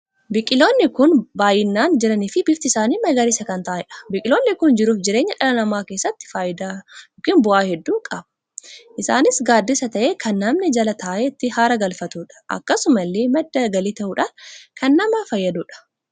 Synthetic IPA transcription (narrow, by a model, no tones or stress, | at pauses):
bɪkʼɪlo̞ːnːɪkʊnbaːjːɪnːaːnd͡ʒɪɾɐniːfɪbɪft̪ɪɪsaːniːmɐɡɐɾɪsɐkɐnt̪ɐʔaːhɪᶑɐ̥bɪkʼɪlo̞ːnːɪkʊnd͡ʒɪɾuːfd͡ʒɪɾe̞ːɲːɐᶑɐlɐnɐmaːkeːsːɐt̪ːɪ̥faːʔɪd̪aːjoːkiːnbʊʔaːhɛd̪ːuːkʼɐbɐ̥ | ʔɪsa̰ːnɪsɡaːd̪ːɪsɐt̪ɐʔeːkʰɐnːɐmnɪd͡ʒɐlɐt̪aːʔet̪ːɪhaːɾɐɡɐlfɐt̪uːᶑɐ̥ʔɐ̰kːɐsʊmɐlːeːmɐd̪ːɐɡɐliːt̪ɐʔuːᶑaːnkɐnːɐmɐfɐjːɐd̪uːᶑɐ̥